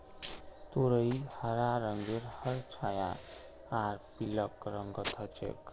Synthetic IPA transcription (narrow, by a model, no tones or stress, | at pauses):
t̪oɾəihəɾaɾəŋɡeɾhəɾt͡ʃʰaja | aɾpiləkɾəŋɡət̪ʰət͡ʃḛk